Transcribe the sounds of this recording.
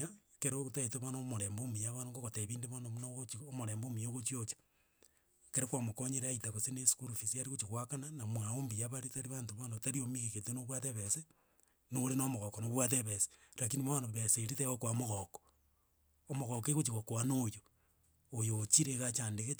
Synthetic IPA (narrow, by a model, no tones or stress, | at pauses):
a | keɾoɣotaeteβonomoɾeːmbomijaβanoŋɡoɣoteβiːndeβonomunoɣot͡ʃiomoɾeːmbomijoɣot͡ʃiot͡ʃḁ | keɾekwamokoɲeɾeaitaɣoseneskuɾufisiaɾiɣot͡ʃiɣwakananamwaombijaβaɾitaɾiβaːntoβonotaɾiomiɣeketenoβwaðeβese | noɾenomoɣokonoβwaðeβese̥lak̬iniβaanoβeseɾiteɣokwamoɣoko̥ | omoɣok̬eɣot͡ʃiɣokoanojoː | jot͡ʃiɾeɣat͡ʃaːndeɣe